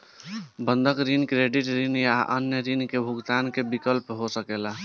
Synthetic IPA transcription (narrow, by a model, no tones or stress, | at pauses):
bənd̪ʱəkɾinkɾeɖiʈɾinjaʔə̰njəɾinkebʱuɡt̪ankebikəlpɦosəkela